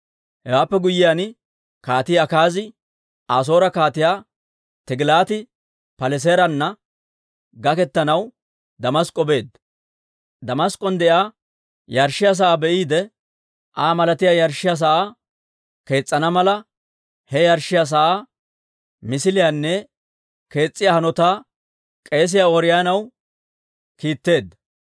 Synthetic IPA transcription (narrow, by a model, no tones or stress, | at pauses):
hɛwaːpːɛɡʊjːɪjan | kaːt̪ɪjɐkaːzɪ | aːs̬o̞ːɾɐkaːt̪ɪjaː | t̪ɪɡɪlaːt̪ɪ | pɐlɛs̬eːɾɐnːɐ | ɡɐkɛt̪ːɐnɐw | d̪ɐmɐskʼɔbe̞ːd̪ | d̪ɐmɐskʼːɔnd̪ɛʔaː | jɐɾʃːɪjas̬ɐʔaːbɛʔiːd̪ɛ | ʔaːmɐlɐt̪ɪjaːjɐɾʃːɪjas̬ɐʔaː | ke̞ːt͡sʼːɐnɐmɐlɐ | hɛjɐɾʃːɪjaːs̬ɐʔaː | mɪsɪlɪjaːnːɛ | ke̞ːt͡sʼːɪjahɐnɔt̪aː | kʼe̞ːs̬ɪjaːɔɾɪjaːnɐw | kiːt̪ːe̞ːd̪ːɐ